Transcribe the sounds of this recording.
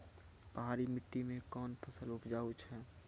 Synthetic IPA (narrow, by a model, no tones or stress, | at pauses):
pəɦaːɾimɪʈːimẽkɔːnpʰɐsəlʊpd͡ʒaːut͡ʃʰɦɛː